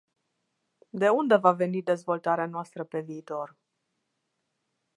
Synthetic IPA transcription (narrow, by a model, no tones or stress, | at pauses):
d̪e̞und̪e̞vave̞nid̪e̞zvo̞lt̪aɾeanoast̪ɾəpe̞viːt̪o̞r